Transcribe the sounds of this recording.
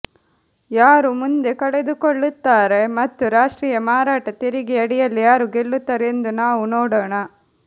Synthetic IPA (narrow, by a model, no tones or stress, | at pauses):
jaːɾumund̪e̞kɐɭed̪ukoɭːut̪ːaːɾe̞mɐt̪ːuɾaːʂʈɾiːjɐmaːɾaːʈɐt̪iɾiɡiɐɽijɐlːijaːɾuɡeɭːut̪ːɐːɾend̪unaːʋunoːɽoːɳɐ